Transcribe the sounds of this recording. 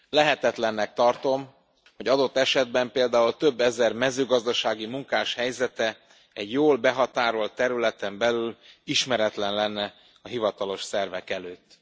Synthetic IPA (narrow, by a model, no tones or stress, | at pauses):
lɛɦɛt̪ɛt̪lɛnːɛk̚t̪ɒrt̪o̞m | ho̞ɟɒd̪o̞t̪ːɛʃɛd̪bɛmpeːld̪aːult̪ø̞bːɛzɛrmɛzøːɡɒzd̪ɒʃaːɡimuŋkaːʃhɛjzɛt̪ɛ | ɛɟjoːlbɛɦɒt̪aːɾo̞lt̪ːɛɾylɛt̪ɛmbɛlyliʃmɛɾɛt̪lɛnlɛnːɛ | ɒɦivɒt̪ɒlo̞ʃsɛrvɛkɛløːt̪ː